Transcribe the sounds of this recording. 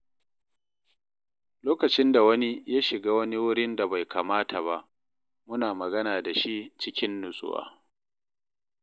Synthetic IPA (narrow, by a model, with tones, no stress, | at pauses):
loː˦kɐ˨t͡ʃɪ˦nda˨wɐ˦ni˦ja˦ʃɪ˨ɡaː˦wɐ˦ni˦wʊ˦ɽɪ˦nda˨ba˨jkʰaː˨maː˦tʰa˨ba˦ʔ | mʊ˦naː˨mɐ˨ɡɐ˦naː˨da˨ʃi˦t͡ʃɪ˦kʲɪ˦nːʊ˨sʼʊ̰˦wa̰ː˨